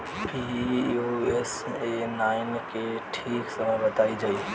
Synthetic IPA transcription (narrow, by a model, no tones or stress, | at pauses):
pioesenaːɪnkeʈʰiːksɐməɦbɐt̪aːid͡ʒaːi